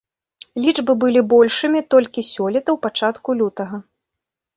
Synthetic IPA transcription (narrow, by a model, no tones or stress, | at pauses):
lʲid͡ʐbɨbɨlʲibɔlʲʂɨmʲit̪ɔlʲkʲisʲɔlʲit̪ɐwpat͡ʂat̪kulʲut̪ɐɣɐ